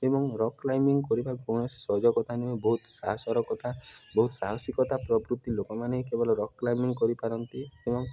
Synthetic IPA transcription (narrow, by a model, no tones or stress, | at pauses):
ebɔŋɾɔklajmiŋkɔɾibaɡʱoɽ̃ɔssɔd͡ʒɔɡɔt̪ʰanimebɔɦut̪saɦɔsɔɾɔkɔt̪abɔɦut̪saɦɔsikɔt̪apɾɔbɾut̪ːilokɔmaneikebɔlɔɾɔkːlajmiŋɡkɔɾipaɾɔnt̪iebɔŋ